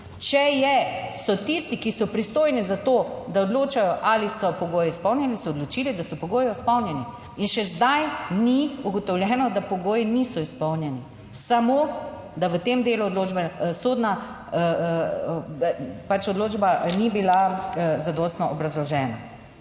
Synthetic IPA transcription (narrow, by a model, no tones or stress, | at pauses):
t͡ʃɛjɛsɔt̪ist̪ikisɔpɾist̪oːjnɛzat̪oːd̪aod̪loːt͡ʃajɔʔalisɔpɔɡoːjɛispɔwnʲɛalisɔːd̪lɔt͡ʃilid̪asɔpɔɡoːjɔspɔwnjɛni | inʃɛzd̪ajniuɡɔt̪ɔwljɛːnɔd̪apɔɡoːjinisɔispɔwnjɛni | samoː | d̪aʋət̪eːmd̪eːluɔd̪loːd͡ʒbɛsoːd̪na | pat͡ʃɔd̪loːd͡ʒbanibilazad̪ɔːst̪nɔʔɔbɾazlɔʒɛːna